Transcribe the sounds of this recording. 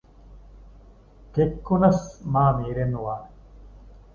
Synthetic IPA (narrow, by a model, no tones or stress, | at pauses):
t̪ekːunɐsmaːmiːɾenuwaːn